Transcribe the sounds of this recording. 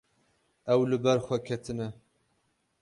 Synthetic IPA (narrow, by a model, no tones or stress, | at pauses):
ɛwlɨbɛɾxʷɛkʰɛt̪ʰɨnɛ